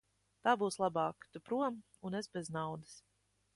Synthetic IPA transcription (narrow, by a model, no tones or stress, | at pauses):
t̪aːbuːslˠabɑːkt̪upɾuɔm | unesbɛznawd̪ɨ̥s